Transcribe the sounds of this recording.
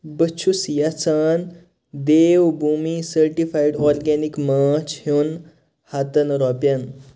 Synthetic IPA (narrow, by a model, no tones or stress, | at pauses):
bət͡ʃʰusijat͡saːn | d̪eːwbʱumisəɾʈifajɖɔɾɡɛnikməːt͡ʃhewn | hat̪ənɾɔpjɐn